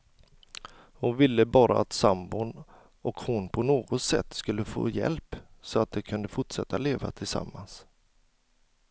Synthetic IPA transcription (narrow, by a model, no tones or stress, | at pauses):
hʊnvɪlːəbɑːɾaat̪sambʊn | ɔkhʊnpʰɔnoːɡɔt̪sɛ̰t̪ːskɵlːəfo̰ːjɛ̰lpsɔat̪̚d̪ɛkʰɵnd̪əfʊʈʂɛt̪ːaleːva̰t̪ʰɪlsa̰mːans